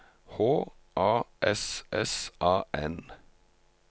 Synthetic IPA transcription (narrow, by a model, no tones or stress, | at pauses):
hoː | ʔɑːʔɛsʔɛsʔɑːʔɛn